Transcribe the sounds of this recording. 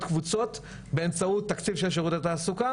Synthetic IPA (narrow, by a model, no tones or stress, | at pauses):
tkvut͡so̞t̪ | be̞emt͡saut̪ːakt͡sivʃelʃ̬eʁut̪et̪aːsuka